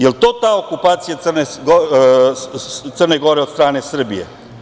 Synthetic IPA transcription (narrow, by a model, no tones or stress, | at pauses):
jelt̪oːt̪aːokupaːt̪sijat̪srneɡ | t̪sərneɡo̞ɾe̞od̪st̪ɾaːnesr̩bijḛ